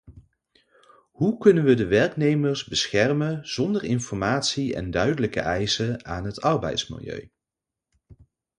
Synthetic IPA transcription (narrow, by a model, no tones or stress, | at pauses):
ɦukɵnənʋədəʋɛɹknejməɹzbəsxɛrmənz̥ɔndərɪnfɔɹmaːtsiɛ̰ndœɥdələkə̰ʔɛjsəaːnɦətɑɹbɛ̰jtsmɪ̰lˠjø̰ɥ